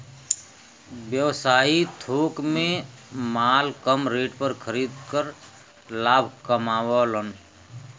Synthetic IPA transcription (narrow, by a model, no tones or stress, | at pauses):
bjəwsaːit̪ʰoːkmẽ | maːlkəmɾeːʈpəɾkʰəɾid̪kəɾ | laːbʱkəmaːwɔlən